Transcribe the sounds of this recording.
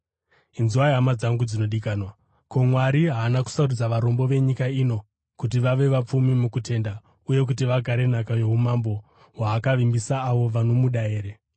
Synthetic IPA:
inziwajamad͡zaŋɡud͡zino̞ɗikaːnwa | ko̞mwaɾiɦaːnaku̥saurud͡zaʋaɾo̞mbo̞ʋe̞ɲikaino̞ | kutiʋaʋe̞ʋap͡fumimukutʰe̞nda | uje̞k̬utiʋaɡʱaɾe̞n̤akajeumambo̞ | waːkaʋimbisaːʋo̞ʋano̞muɗae̞ːɾe

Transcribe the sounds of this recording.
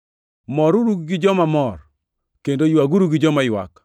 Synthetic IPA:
mɔɾuɾuɡɡɪd͡ʒɔmamɔr | kendojwaɡuɾuɡɪd͡ʒɔmajwa̰k

